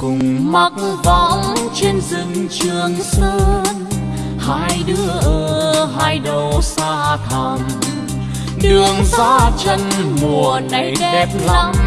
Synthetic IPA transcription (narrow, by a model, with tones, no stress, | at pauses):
kʊ˨˩ŋ͡mma˦t̚va˧˦ŋ͡mt͡ɕe˧nzi˨˧˩ŋt͡ɕɨ˨˩əŋsəː˧n | haː˧jɗɨ˨˦əʔəː˨˩haː˧˩jɗə˨˩wsaː˧t̪ʰə˧˩ŋ | ɗɨ˧˩əŋzaː˧˦˥t͡ɕə˧nmu˨˩əəna˧˦˧jfɛ˦˥p̚laa˧ŋ͡m